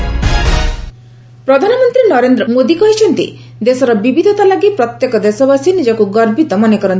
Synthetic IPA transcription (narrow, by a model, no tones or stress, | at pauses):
pɾɔd̪ʱanɔmɔnt̪ɾinɔɾend̪ɾɔmod̪ikɔɦit͡ʃʰɔnt̪ḭ | d̪esɔɾɔbibid̪ʱɔt̪alaɡipɾɔt̪jekɔd̪esɔbasinid͡ʒɔkuɡɔɾbit̪ɔmɔnekɔɾɔn